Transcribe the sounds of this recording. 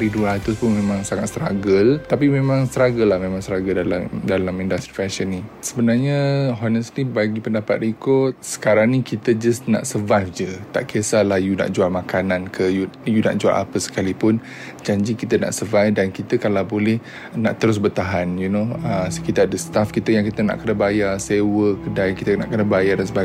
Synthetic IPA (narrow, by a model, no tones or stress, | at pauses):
ɾiduɾat̪ʊspʊnmemãŋsaŋat̪̚st̪ɾa̰ɡəlt̪ap̬imẽmãŋst̪ɾaɡəlahmemãŋst̪ɾaɡəldalamdalamindast̪ɾifɛʃənisəbənarɲəɦɔnəslibaɡipəndapat̪̚ikot̪̚sə̥kaɾaŋnikit̪əd͡ʒasna̰ʔsəvajfd͡ʒət̪a̰ʔkəsalahjuna̰ʔd͡ʒuamakanãnkʰəjujuna̰ʔd͡ʒua̰ʔa̰pəsə̥kalipʊn | d͡ʒaɲd͡ʒikit̪əna̰ʔsəvajfdankit̪əkalawbolɛh | na̰ʔt̪əɾʊs̬bərt̪aɦanjunoəsə̥kit̪ardəst̪afkit̪əjaŋkit̪əna̰ʔkənəbajarsewəkdajkit̪əna̰ʔkənəbajardansəba